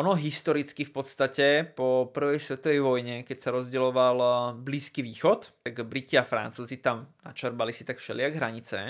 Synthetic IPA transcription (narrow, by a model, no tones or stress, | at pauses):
ʔɔnɔɦist̪ɔɾit͡skifpɔt̪st̪acɛpɔpr̩ʋɛjsʋɛt̪ɔʋɛjʋɔjɲɛkɛcsaɾɔzɟɛlɔʋalbliːskiʋiːxɔt̪t̪aɡbɾiciafɾa̰nt͡suːzit̪amna̰t͡ʃɛɾbalisit̪akfʃɛ̰lɪaɡɦɾaɲit͡sɛ̰